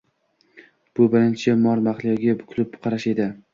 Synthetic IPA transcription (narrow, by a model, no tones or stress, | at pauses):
b̥ʊbɪɾɪnt͡ʃʰɪmɒɾmaχlˠijɡʲabʊkʲʰʊlɪpqʰɑɾaʃe̞d̪ɪ